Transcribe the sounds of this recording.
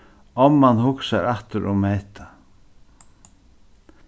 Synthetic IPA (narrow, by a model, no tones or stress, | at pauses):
ɔmːanhʊksaɾaht̪ʏɾʔɔɣmeːt̪ḁ